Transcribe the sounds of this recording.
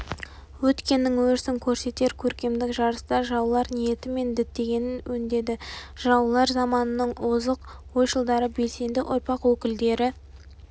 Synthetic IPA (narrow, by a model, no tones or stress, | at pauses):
wɵt̪kʲe̞nːɪŋwɵɾsɪŋkʲʰɵɾse̞t̪e̞ɾkʲʰɵɾkʲe̞md̪ɪkʒɑɾəst̪ɑʒɑwlˠɑɾnije̞t̪ɪme̞nd̪ɪt̪ːe̞ɡʲe̞nɪnwɵnd̪e̞d̪ɪ | ʒɑwlˠɑɾzɑmɑnənəɴozəqwo̞jʃəlˠd̪ɑɾəbe̞lse̞nd̪ɪʔʊɾpɑqwɵkʲɪld̪e̞ɾɪ